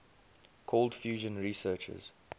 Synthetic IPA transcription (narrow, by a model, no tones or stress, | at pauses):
kʰɔldfjuːʒə̃nɹisɜːt͡ʃə̰z̥